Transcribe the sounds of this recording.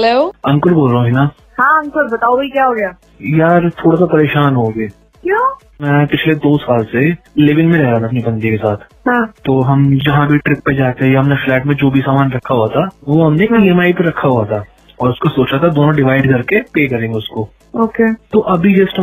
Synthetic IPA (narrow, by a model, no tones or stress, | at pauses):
ɦɛloːɐ̃ŋkʊɾboːlɾɐɦũɦɪnaː | hãːɐ̃ŋkʊɾbɐt̪aːobikjaːɦoːɡɐjaː | jaːɾt̪ʰoːɽasapɐɾeːʃaːnɦoːɡeː | kjaː | mɛ̃ːpɪt͡ʃʰled̪oːsaːlselɪʋɪnmẽɾɛɦɾaːt̪ʰaɐpnibɐ̃nd̪ikesaːt̪ʰɦãt̪ːoːɦɐmd͡ʒɐɦãbʱiʈɾɪk̚ped͡ʒaːt̪eɦɛjaɦɐmneflɛːʈmẽd͡ʒoːbʱisaːmaːnɾɐkʰaɦuat̪ʰaʋoɦɐmnepiːɛːmaːipeɾɐkʰːaɦuat̪ʰa | ɔːɾʊskosoːt͡ʃat̪ʰad̪oːnõɖɪʋaːɪɖkɐɾkepeːkɐɾẽːŋɡʊsko | oːkeːt̪oːʔɐbʱid͡ʒɐsʈ